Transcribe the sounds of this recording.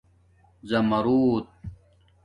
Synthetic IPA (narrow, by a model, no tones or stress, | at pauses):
zɐmɐɾuːt̪̚